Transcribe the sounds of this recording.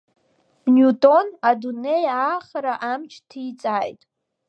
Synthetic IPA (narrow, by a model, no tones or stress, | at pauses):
njutʼo̞nadune̞jaːχaɾaʔamt͡ʃʰtʰit͡sʼaːjtʼ